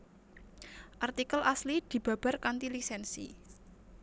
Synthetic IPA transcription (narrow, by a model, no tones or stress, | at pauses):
ʔart̪ikəlʔaslid̪̥i̤b̥ä̤b̥a̤rkant̪ilisɛnsḭ